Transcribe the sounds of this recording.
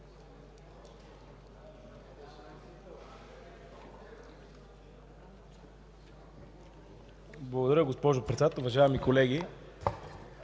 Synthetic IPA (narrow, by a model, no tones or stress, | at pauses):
blˠɐɡod̪ɐɾəɡospɔʒopɾɛt̪at̪ʊvɐʒaɛmikolɛɡi